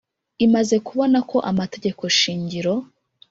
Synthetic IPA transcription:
imaze̞kuβo̞nako̞ʔamate̞ɟe̞ko̞ʃiːɲɟiɾo̞

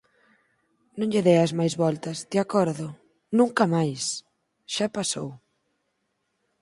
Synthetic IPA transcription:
nõŋʎɪðejɐzmajzβɔlt̪ɐzd̪ɪakɔɾðʊ | nũŋkɐmajs | ʃapasow

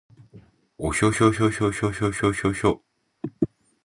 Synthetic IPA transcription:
woɕoɕoɕ̬oɕoɕoɕoɕoɕoɕo

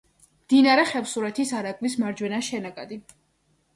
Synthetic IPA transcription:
md̪̥inaɾɛχɛfsuɾɛt̪ʰisaɾakʼvlismaɾd͡ʒwɛnaʃɛnakʼad̪i

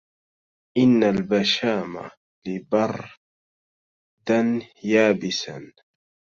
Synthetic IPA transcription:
ʔɪnːalbaʃaːma̰ | lɪbɑrˤ | d̪anjaːbɪsa̰n

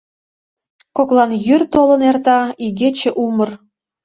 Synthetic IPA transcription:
koklˠɑnjyrt̪olɤ̆nert̪ɑiɡet͡ɕĕʔumə̆r

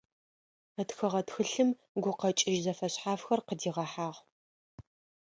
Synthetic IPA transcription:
ətxɨʁɐtxɨɬɨm | ɡʷʊqɐt͡ʃʼɪʒzɐfɐɕħaːfxɐrqədiːʁɐħaːʁ

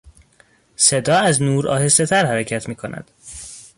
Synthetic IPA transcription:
se̞d̪ɒːæznuːɾɒ̰ːhe̞se̞t̪ʰæɾhæɾæcʰæt̪ʰmiːkʰonʔæ̰d̪̥

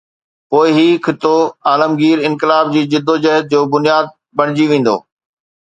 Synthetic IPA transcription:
poːɪɦikʰɪt̪oaːləmɡiːɾɪ̃nkɪlaːb̚d͡ʑiːd͡ʑɪd̪ːod͡ʑɐɦət̪̚d͡ʑoːbʊnɪjaːd̪̚ | bɐɽ̃ɪd͡ʑiʋẽːn̆d̪o̰ː

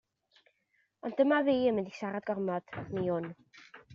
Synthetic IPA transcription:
ɔnd̥əmaviːəmɪndisaɾadɡɔrmɔd̥niʊn

